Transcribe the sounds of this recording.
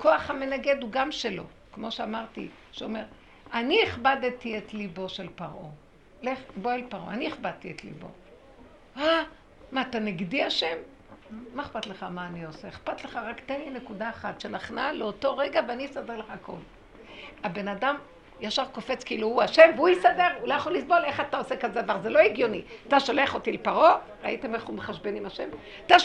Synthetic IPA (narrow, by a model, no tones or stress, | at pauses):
ko̞aχhame̞naɡe̞d̪uɡamʃelo̞̰ | kmo̞ʃeamaʁtḭ | ʃeome̞ʁ | anieχbadtietlibo̞ʃelpaʁʔo̞ | leχboelpaʁʔoanieχbad̚tietlḭbo̞̰ | a | mat̪aniɡdiaʃemː | aeχpatleχamaːnio̞seeχpat̪leχaʁakt̪anekudaːχat̪ʃenaχnaleoto̞ʁeɡaveanijsadeʁleχaːko̞̰l | abe̞nadam | jaʃavko̞fe̞t͡skeiluhuaʃe̞mveuisade̞ʁulojaχolːisbo̞leχatao̞sekazedavaʁzelo̞iɡjo̞niataʃoleaχo̞tilepaʁo̞ | ʁa̰itemeχumbeχaʃbenimaʃe̞m | ata